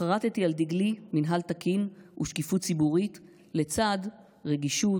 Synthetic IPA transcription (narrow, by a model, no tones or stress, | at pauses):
aʁat̪et̪iald̪iɡliminɦalt̪akʰinṵʃkifutt͡sibuʁit̪ | le̞t͡sad̪ | ʁeɡiʃu